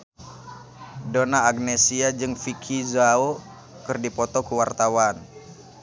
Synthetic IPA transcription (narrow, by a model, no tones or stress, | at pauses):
donaːɡ̚nesiad͡ʒɨŋfikʰizao | kɨrdipɔt̪ɔkuwart̪awan